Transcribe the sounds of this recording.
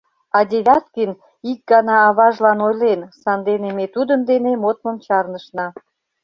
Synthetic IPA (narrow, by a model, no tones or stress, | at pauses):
ɑd̪ʲeβʲɑt̪kən | ik̚ɡɑnɑːβɑʒlɑnojlensɑnd̪enemet̪ud̪ənd̪enemot̪̚məmt͡ɕɑrnəʃnɑ